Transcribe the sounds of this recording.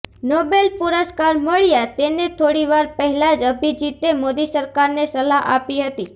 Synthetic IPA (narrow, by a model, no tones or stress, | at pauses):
nɔbelpuɾəskaɾməɭijat̪enet̪ʰoɽiʋaɾpəɦɛlad͡ʒəbʱid͡ʒit̪emod̪isəɾkaɾnesəlaɦa̰piɦət̪i